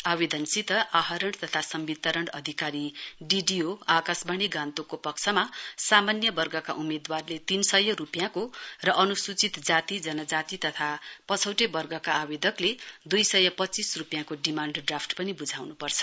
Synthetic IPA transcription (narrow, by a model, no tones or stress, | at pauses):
aβed̪ʱʌnsit̪ʌʔaɦʌɾʌɳɖt̪ʌt̪ʰasʌmbit̪ʌɾʌɳɖʌd̪ʱikaɾiɖiɖijoakasbaɽ̃iɡãnt̪okopʌkt͡sʰʌmasamanjʌbʌrɡʌkaʔumed̪warlet̪insʌjʌɾupjãkorʌʔʌnusut͡sit̪d͡zat̪id͡zʌnʌd͡zat̪it̪ʌt̪ʰapʌt͡sʰʌwʈebʌrɡʌkaːbed̪ʱʌkled̪ujsʌjʌpʌt͡sisrupjãkoɖimãɳɖɖrapʰʈpʌnibud͡zʱawnupʌrt͡sʰʌ̥